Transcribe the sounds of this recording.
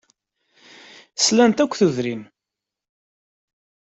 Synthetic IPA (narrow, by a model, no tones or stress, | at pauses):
slænt̪ækʷːθuðɾin